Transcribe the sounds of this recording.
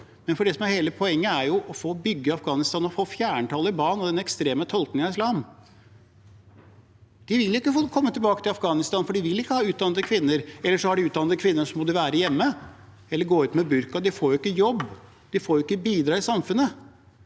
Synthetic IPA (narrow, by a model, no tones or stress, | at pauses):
mɛnfɔɖɛsɔmæɾheːləpʰɔɛŋːəæɾjʊʔɔfoːbʏɡːəɑfɡɑːnɪst̪ɑːnɔfoːfjæːɳʈ̪ʰɑːlːəɪbɑːnɔd̪ɛnɛkst̪ɾeːmət̪ʰɔlt̪nɪŋɑɪslɑːm | d̪̥ɪʋɪljʊɪkːəfokʰɔmːət̪ʰɪlbɑːkət̪ʰɪlɑfɡɑːnɪst̪ɑːnfɔɖɪʋɪlːɪkːəhɑːʉːt̪̚d̪ɑnəd̪əkʰʋɪnːəɾɛlːəʂɔhɑɖɪʉːt̪̚d̪ɑnəd̪kʰʋɪnːəʂɔmɔd̪ʉʋæːɾəjɛmːə | ɛlːəɾɡoːʉːt̪mɛbʉɾkɑd̪ɪfoːɾjʊɪkːəjɔbː | d̪̥ɪfoːɾjʊɪkːəbiːd̪ɾɑːɪsɑmfʉnːə